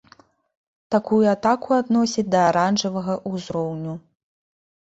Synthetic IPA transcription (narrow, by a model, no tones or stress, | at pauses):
t̪akujuat̪akuad̪nɔsʲid͡zʲd̪ɐːɾanʐɐvɐɣɐʔuzɾɔwnʲu